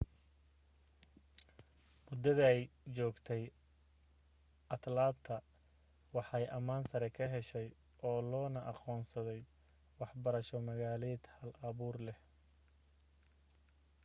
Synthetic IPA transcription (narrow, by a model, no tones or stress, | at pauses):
mʊd̪ːɐðɐɛjt͡ʃɔːɡt̪ʰɛj | ʔɐt̪laːt̪ʰɐ | wɑħɛjʔɐmaːnsɐɾɛkʰɐɦɛʃɛj | ɔːlɔːnɐʔɑqɔːnsɐðɛj | wɑħbɐɾɐʃɔmɐɣaːlɛːd̪hɐlʔɐβuːrlɛh